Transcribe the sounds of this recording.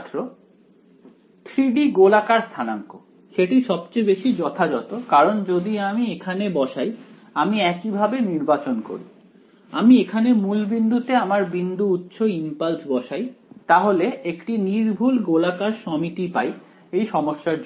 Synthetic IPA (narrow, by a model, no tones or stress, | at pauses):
t̪ɾo | t̪ʰɾiɖiɡolakaɾst̪ʰanaŋko | ʃeʈiʃɔbt͡ɕejbeʃid͡ʑɔt̪ʰad͡ʑɔt̪okaɾond͡ʑod̪iamiekʰanebɔʃaj | amiɛkibʱabeniɾbat͡ɕonko̰ɾḭ | a̰miekʰanemulbind̪ʱut̪eamaɾbind̪uut̪ːɕʰoimpalsbɔʃajt̪aɦoleekʈiniɾbʱulɡolakaɾʃɔmit̪ipaj | ejʃɔmoʃːaɾ